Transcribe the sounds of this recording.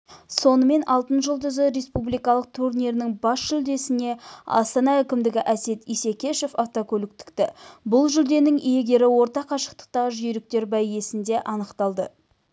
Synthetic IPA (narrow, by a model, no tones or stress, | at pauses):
so̞nəme̞nɑlˠt̪ənʒəlˠd̪ʏzəɾe̞spublijkɑlˠəq̚t̪ʰuɾnijɾɪnɪŋbɑsʒʏld̪e̞sɪne̞ɑ̰st̪ɑnɑækʲɪmd̪ɪɡʲɪʔæse̞t̪ijsekʲe̞ʃe̞fɑft̪okʲʰɵlɪkt̪ɪ̥kt̪ɪbʊlˠʒʏld̪e̞nɪŋje̞ɡʲe̞ɾɪwo̞ɾt̪ɑqɑʃə̥q̚t̪ə̥q̚t̪ɑʁəʒʏjɾɪk̚t̪e̞ɾbæjje̞sɪnd̪e̞ʔɑnəqt̪ɑlˠd̪ə̰